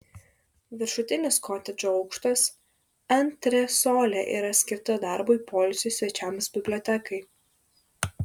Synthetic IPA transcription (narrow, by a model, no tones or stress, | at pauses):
ʋʲɪɾʃʊt̪ʲɪnʲɪskʰɔːt̪ʲɛd͡ʒʲoːɒʊkʃt̪ɐs | ɐnʲt̪ʲɾʲɛsoːlʲɛʔḭːɾɐsʲkʲɪɾt̪ɐd̪ɑˑɾboipʰɔːlʲsʲʊsʲʋʲɛt͡ʃʲæmsbʲɪbʲlʲoːt̪ʲɛkɐɪ